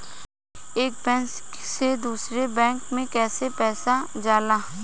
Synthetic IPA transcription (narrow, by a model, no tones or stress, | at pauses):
eːk̚bɛ̃nsksed̪uːsɾebɛ̃ːŋkmẽkɛːsepɛːsad͡ʒaːlaː